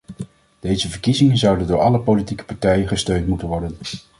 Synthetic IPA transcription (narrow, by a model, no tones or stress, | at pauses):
d̥ejzəvəɹkizɪŋənzʌwdəndʊːɹɑləpolitikə̥pɑɹtɛjəχəstøɥntmutənʋɔɹdən